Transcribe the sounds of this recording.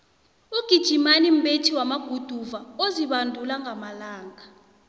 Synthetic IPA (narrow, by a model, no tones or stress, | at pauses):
uɡ̥ʱid̥ʒ̥ʱimanim̩ɓetʰiwamaɡ̥ʱud̥ʱuvaoziɓandʱulaŋɡʱamalaːŋɡʱa